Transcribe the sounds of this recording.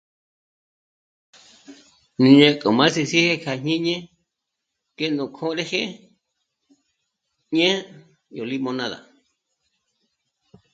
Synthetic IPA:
nĩ˧je˧kʼo˨mã˦si˧si˦he˦kʰa˧ɲɲĩ˦ɲẽ˦ | ke˦nũ˨kʰõ˦ɾe˦he˦ | ɲẽ˦ | jo˨li˦mõ˧nã˧ða̰˨

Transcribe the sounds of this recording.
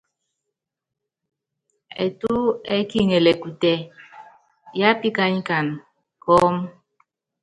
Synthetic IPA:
ḛ˨tu˦ɛ˦ki˦˨ŋɛ˨lɛ˨ku˨tɛ˨ | ja˦pi˦ka˦ɲ˦ka˨n | kɔː˦m

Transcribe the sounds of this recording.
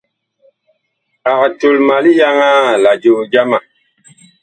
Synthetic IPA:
a˨ktu˨lma˨li˦ja˦ŋa˦˨la˨d͡ʒo˨d͡ʒa˦ma˨

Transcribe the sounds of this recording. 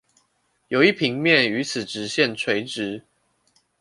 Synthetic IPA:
jo˨˩ʊi˥˨pʰi˧˦ŋmjɛ˥˨ny˧˦t͡sʰɨ˨˩ʈ͡ʂɻ̩˨˦ɕjɛ˥˨nt͡sʰwe˧˥ɪʈ͡ʂɻ̩˨˦

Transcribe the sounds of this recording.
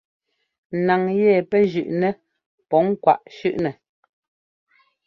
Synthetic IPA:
na˨ŋjɛ˦˨pɛ˦ʒʉ˨ʔnɛ˦ | pɔ˨˦ŋ̩˦kwa˦˨ʔʃʉ˦ʔnɛ˨

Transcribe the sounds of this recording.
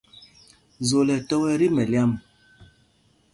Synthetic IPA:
zo˨lɛ˨tɔ˦wɛ˦ɾi˦mɛ˨lja˦m

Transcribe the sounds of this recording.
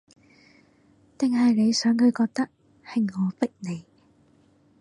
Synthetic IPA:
t̪ɪ˨ŋɦɐ˨jne˨˧jsœː˨˥ŋhɵ˨˧ɥkɔː˧k̚t̪ɐ˥k̚ | hɪ˨ŋːɔː˨˧pɪ˥k̚ne˨˧j

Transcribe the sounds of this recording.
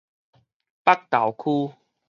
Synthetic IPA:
pa˦k̚t̪a˨˩wkʰu˦

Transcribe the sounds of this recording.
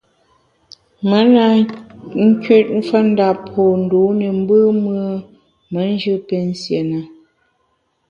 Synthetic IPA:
mə˨˦na˨ŋ̩˦ki˦˨t̚ɱ̩˦fə˦n̩˦da˨po˨n̩˨do˨˦nə˨m̩˦bə˦mə˦ | mə˨˦n˦d͡ʒɨ˦pe˨n̩˦sje˨nə˨

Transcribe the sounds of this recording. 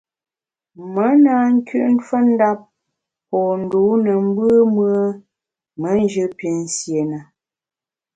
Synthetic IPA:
mə˨˦na˦ŋ̩˦kʉ˦ʔn̩˦fə˦n̩˦da˦p̚ | pɔː˨n̩˨du˨˦nə˨m̩˦bɨ˦mɰə˦ | mə˨˦n˦d͡ʒɨ˦pi˨˦n̩˦sje˨na˨

